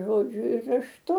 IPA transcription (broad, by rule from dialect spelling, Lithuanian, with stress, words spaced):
ʒoːˈd͡ʒʲʊ ɪr rɐʃˈtʊ